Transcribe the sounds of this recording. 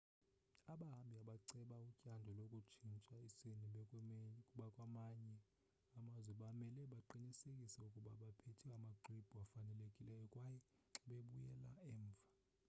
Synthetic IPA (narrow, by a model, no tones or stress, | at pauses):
aɓaɦambʱiaɓaǀɛɓaucʼandʱɔlokʼut͡ʃʰint͡ʃʼaiseni | kʼuɓakʼwamaɲɛ | amazwɛɓamɛlɛɓaǃiɲisekʼisɛukʼuɓaɓapʰetʰɛamaǃib̥ʱuafanɛlekʼilɛjɛkʼwajɛ | ɓeɓujɛla̰ɛːɱvʱa